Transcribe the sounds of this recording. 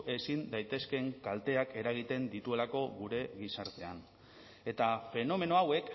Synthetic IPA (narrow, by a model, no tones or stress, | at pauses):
ʔe̞sind̪ajt̪e̞ske̞ŋkalt̪e̞ake̞ɾaɣ̞it̪e̞nd̪it̪ue̞lako̞ɣuɾe̞ɣisaɾt̪e̞an | e̞t̪afe̞no̞me̞no̞awe̞k